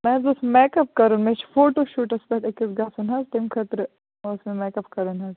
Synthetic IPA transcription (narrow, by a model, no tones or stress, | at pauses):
mɛ̃ːzosmɛːkɐp̚kɐɾunmẽt͡ʃfoːʈoːʃuːʈɐspɐʈekːisɡɐsunɦɐzt̪emkʰɐt̪ɾ | osmẽmeːkɐpkɐɾuːnɦɐz